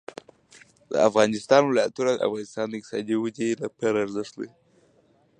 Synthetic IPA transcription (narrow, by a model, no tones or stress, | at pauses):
d̪ə̰afɣɑnɪst̪ɑnwɪlɑjat̪unad̪əa̰fɣɑnɪst̪ɑnd̪əɪq̪̚sɑ̰d̪iwəd͡ʒelapaɾaɾzəʂt̪d̪ḛ